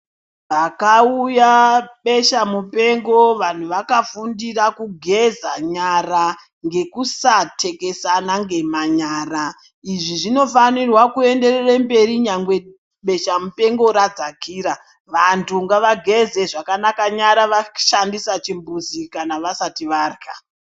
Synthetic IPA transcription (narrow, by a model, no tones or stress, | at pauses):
ʋakaujaɓe̞ʃamupe̞ŋɡo̞ʋan̤uʋakafundirakuɡʱe̞zaɲara | ŋɡe̞kusatʰe̞ke̞sanaŋɡe̞maɲaːra | iʐiʐino̞fanirwakue̞nde̞rerembe̞riɲaŋɡwe̞ | ɓe̞ʃamupe̞ŋɡo̞ɾad͡zakiːɾa | ʋantʰuŋɡaʋaɡʱe̞ze̞ʐakanakaɲaɾaʋaʃandisat͡ʃimbuzikanaʋasatiʋarka